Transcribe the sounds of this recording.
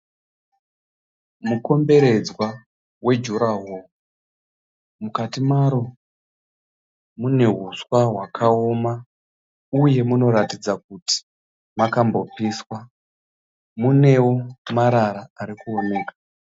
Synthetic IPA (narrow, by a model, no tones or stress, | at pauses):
muko̞mbe̞ɾe̞d͡zwa | we̞d͡ʒuɾaɦo | mukatimaɾo̞ | mune̞ɦuswaɦwakʰao̞ma | uje̞muno̞ɾatid͡zak̚uti̥ | makambo̞piːswa | mune̞wo̞maɾaɾaːɾikuone̞ːkḁ